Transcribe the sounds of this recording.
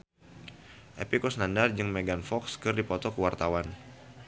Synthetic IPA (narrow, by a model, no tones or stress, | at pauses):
ʔḛpikɔsnandard͡ʒɨŋmeɡanfɔkskɨrdipɔt̪ɔkəwart̪awan